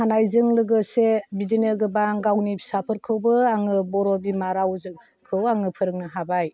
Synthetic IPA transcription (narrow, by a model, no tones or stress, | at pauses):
hanajzɯŋlɯɡɯsebidinɯɡɯbaŋɡawnibʰi̥sapʰɯɾkʰɯwbɯaŋɯbɔɾɔbimaɾawzɯŋ | kʰɯwaŋɯpʰɯɾɯk̚nɯɦabaj